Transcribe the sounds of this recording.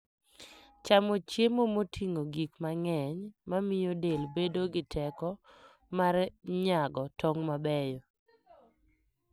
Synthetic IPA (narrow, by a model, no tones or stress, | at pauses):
t͡ʃamot͡ʃjemomotʰiŋoɡikmaŋɛɲmamɪjodelbedoɡɪtʰɛkɔ | marɲaɡɔtɔŋmabɛjo